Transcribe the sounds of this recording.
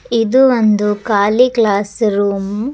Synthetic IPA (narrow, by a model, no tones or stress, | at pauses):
id̪uʋond̪ukaːliklaːsɾuːm